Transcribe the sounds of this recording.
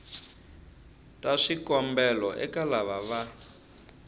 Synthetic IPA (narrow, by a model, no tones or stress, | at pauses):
taʂikɔmbɛlɔʔɛkalaβaβa